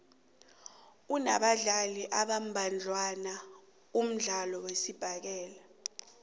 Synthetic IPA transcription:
una̰ɓaɮaliʔaɓam̩bʱand͡ɮʱwana | um̩ɮalɔwesib̥ʱak̬ɛːla

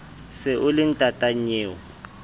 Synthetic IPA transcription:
sɪʔʊlɪn̩tʼatʼaɲeːwɔ

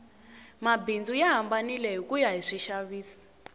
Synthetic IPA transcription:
mabind͡zujaɦambanilɛɦikʼujaɦiʂiʃaβiːsi̥

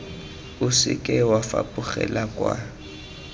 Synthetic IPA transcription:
ʊsɪ̰kʼɛwafa̰pʼʊχɛ̰lakʼwa

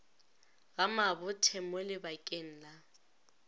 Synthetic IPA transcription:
ɣamabʊtʰɛmɔlɪbakʼen̩la

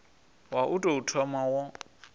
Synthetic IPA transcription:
waʔutʼoutʰɔmawɔ

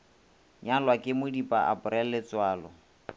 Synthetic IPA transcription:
ɲalwakʼɪmʊdipʼaʔa̰pʊɾɛl̩lɪt͡swaːlɔ

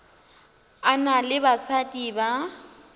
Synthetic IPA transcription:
analɪbasatʼiba

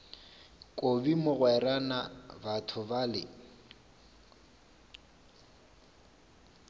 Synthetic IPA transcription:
kʼobimʊɣwɛranabatʰʊbalɪ

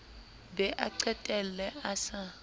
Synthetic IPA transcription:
bɛʔaǀɛtʼɛlɛasa

